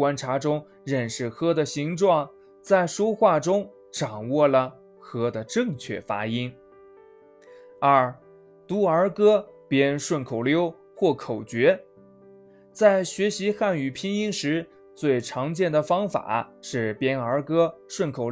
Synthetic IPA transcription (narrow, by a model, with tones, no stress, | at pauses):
wa˥nʈ͡ʂʰa˧˥ʈ͡ʂʊ˥ŋ | ɻə˥˧nʂɻ̩˥˩xɤ˥d̪ə˨ɕi˧˥ŋʈ͡ʂwɑ˥˧ŋ | t͡sa˥˩ɪʂwɔ˥xwa˥˩ʈ͡ʂʊ˥ŋ | ʈ͡ʂɑ˨˩ŋwɔ˥˩lə˩ | xɤ˥d̪ə˨ʈ͡ʂɤ˥˧ŋt͡ɕʰɥɛ̰˥˩fa̰˥i˥n | ə˞˥˩ | t̪u˧˥ə˞˧˥kɤ˥pjɛ˥nʂwə˥˩nkʰo˨˩ʊljo˥ʊ | xwɔ˥˩kʰo˨˩ʊt͡ɕɥɛ˧˥ | t͡sa˥˩ɪɕɥɛ˧˥ɕi˧˥xa˥˩ny˨˩pʰi˥ŋi˥ŋʂɻ̩˧˥ | t͡swe˥˩ɪʈ͡ʂʰɑ˧˥ŋt͡ɕjɛ˥˩nd̪ə˩fɑ˥ŋfa̰˨˩˦ʂɻ̩˥˩pjɛ˥nə˞˧˥kɤ˥ʂwə˥˩nkʰo˨˩ʊ